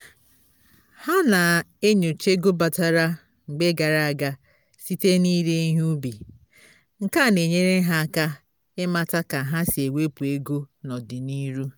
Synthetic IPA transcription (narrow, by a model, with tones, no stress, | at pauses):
ha˦na˨e˦ɲo˨t͡ʃe˦ɡo˦ba˨ta˨ɾa˦ | ŋ͡m̩˨ɡ͡be˦ɡa˨ɾa˨a˨ɡa˦ | si˦te˦ni˦ɾe˦i˦ɦu˦bi˨ | ŋ̩˨ka˦˨ne˨ɲe˦ɾe˦ɦa˦ka˦ | ɪ˦ma˦ta˦ka˨ɦa˦si˨e˨wʷe˦pu˨e˦ɡo˦nɔ˨dɪ˨ni˦ɾu˦